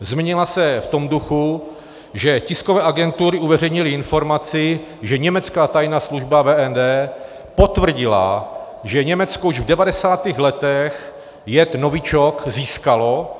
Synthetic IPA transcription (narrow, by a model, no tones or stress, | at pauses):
zmɪɲɪlasɛft̪o̞mduxu | ʒɛcɪskovɛːʔaɡɛnt̪uɾɪuvɛrɛjɲɪlɪɪnfo̞ɾmat͡sɪʒɛɲɛmɛt͡skaːt̪ajnaːsluʒbavɛːɛndɛː | po̞t̪vr̩ɟɪla̰ | ʒɛɲɛmɛt͡skouʒvdɛvadɛsaːt̪iːɣlɛt̪ɛx | jɛt̪novɪt͡ʃokziːskalo̞